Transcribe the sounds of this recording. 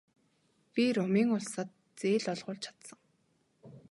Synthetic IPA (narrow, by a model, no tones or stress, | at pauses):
pʲiɾʊmiːŋʊɮsaːt̪̚ | t͡seːɮɔɮʁʊːɮt͡ɕʰḁt̪sə̆ŋ